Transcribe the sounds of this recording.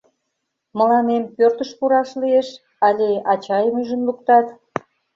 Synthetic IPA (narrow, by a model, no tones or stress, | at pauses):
mə̆lɑnempørt̪əʃpuɾɑʃlieʃ | ɑlʲeɑt͡ɕɑjəməʒənlukt̪ɑt̪